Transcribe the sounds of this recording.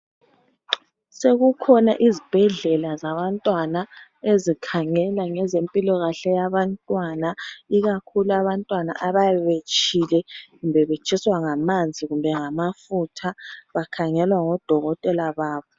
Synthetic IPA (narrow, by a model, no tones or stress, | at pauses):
seɣukʰɔna̰ʔizib̥ʱɛɮɛlazaβantʼwanaezikʰaŋɛlaŋɛzempʼilɔɣaɬɛjaβantʼwanaiɣakʰuluaβantʼwana̰ʔaβajɛβet͡ʃʼʰilɛɣumbʱɛβet͡ʃʼʰiswaŋamand͡zʱiɣumbʱɛŋamafutʰaβakʰaŋɛlwaŋɔd̥ʱɔɣɔtʼɛlaβaːβɔ